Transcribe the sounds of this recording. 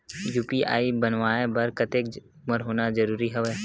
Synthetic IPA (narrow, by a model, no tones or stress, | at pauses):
juːpiʔa̰ːibənʋaːebɐɾkət̪eːk | məɾɦoːnad͡ʒəɾuːɾiɦɛʋeː